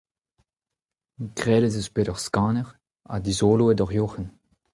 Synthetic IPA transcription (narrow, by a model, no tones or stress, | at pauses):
ɡʁɛːləzəspeːɾəʁskɑ̃ːnəʁ | a̰dizoːluɛdɔʁjoχən